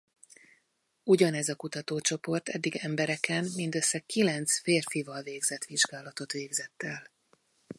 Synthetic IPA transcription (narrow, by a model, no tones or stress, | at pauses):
uɟɒnɛzɒkut̪ɒt̪oːt͡ʃo̞po̞rt̪ʰɛd̪ːiɡɛmbɛɾɛkɛnmind̪ø̞sːɛkːilɛnt̪sfeːrfivɒlveːɡzɛt̪ʋiʒɡaːlɒt̪o̞t̪ʋeːɡzɛt̪ːɛl